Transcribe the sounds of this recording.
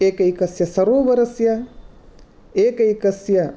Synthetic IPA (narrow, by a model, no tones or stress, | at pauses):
eːkɐikɐsjɐsɐɾoːʋɐɾɐsjɐ | eːkɐjkɐsjɐ